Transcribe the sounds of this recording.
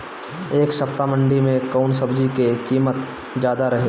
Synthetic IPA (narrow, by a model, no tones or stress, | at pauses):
eːkʃɐpt̪amə̃ɳɖimẽkaʊnsɐbd͡ʒikekiːmət̪ | d͡ʒjaːd̪aɾɐɦeː